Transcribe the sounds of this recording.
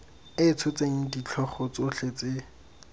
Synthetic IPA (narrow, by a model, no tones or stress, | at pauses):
ɪt͡sʰʊt͡seŋ̩dit͡ɬʰɔχɔt͡sʊɬet͡se